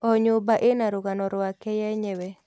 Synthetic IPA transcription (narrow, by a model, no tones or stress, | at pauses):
ɔɲʊbaʔenaɾʊɡanɔɾwakɛjɛɲɛwɛ